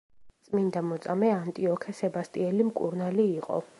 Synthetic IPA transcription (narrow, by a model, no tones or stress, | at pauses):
t̪sʼmind̪amɔt̪sʼamɛant̪ʼiɔkʰɛsɛbast̪ʼiɛlimkʼṵɾnaliːqʼɔ̰